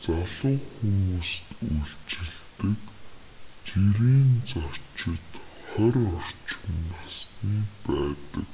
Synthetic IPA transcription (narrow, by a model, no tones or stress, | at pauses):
t͡saɮʊːxumuːst̪uɬt͡ɕɪ̆ɮt̪ɘ̆k | t͡ɕiɾiːnt͡sɔt͡ɕɪ̆t̪χœɾʲɔr̥t͡ɕɪməsniːpæːt̪ə̰̆k